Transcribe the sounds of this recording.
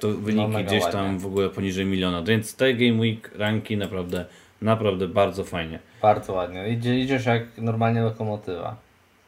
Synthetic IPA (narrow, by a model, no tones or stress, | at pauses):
t̪ɔvɘɲikʲiɡd͡ʑeɕt̪amvɔɡulɛpɔɲiʐɛjmʲilʲjɔnavʲjɛnt̪st̪ɛɡɛjmwikɾaŋkʲinapɾavd̪ɛ | napɾavd̪ɛbaɾd̪zɔfajɲɛb̥aɾd̪zɔwad̪ɲɛid͡ʑɛid͡ʑɛʃjaknɔɾmalɲɛlɔkɔmɔt̪ɘva̰